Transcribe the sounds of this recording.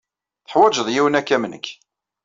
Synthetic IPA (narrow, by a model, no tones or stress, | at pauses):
θə̥ħwæd͡ʒəðˤjiwənækːæmənə̰kː